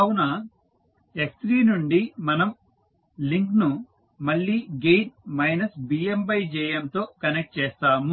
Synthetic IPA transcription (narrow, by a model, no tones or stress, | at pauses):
ɐwunɐ | eksʈ̪ɾiːnuɳɖimɐnɐm | liŋknu | mɐɭːiːɡejʈmɐjnɐsbiːembɐjd͡ʒɛːjɐnt̪o̞ːkɐnek̚ʈ̚t͡ʃɛːst̪aːmu